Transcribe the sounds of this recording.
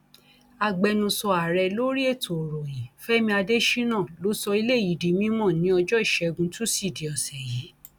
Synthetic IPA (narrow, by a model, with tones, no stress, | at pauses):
a˧ɡ͡bɛ˧nũ˧sɔ˧a˨ɾɛ˧lo˦ɾi˦e˦˨tʰo˨ɾɔ˨jĩ˨fɛ˦mĩ˧a˧de˦ʃi˦nãː˦˨lo˨˦sɔ˧i˧le˦˨i˨di˨mĩ˦mɔ̃˦˨nĩ˨˦ɔ˧d͡ʒɔ˦i˦˨ʃɛ˨˧ɡũ˧tu˦si˦˨di˨ɔ˨sɛ˨ji˨˦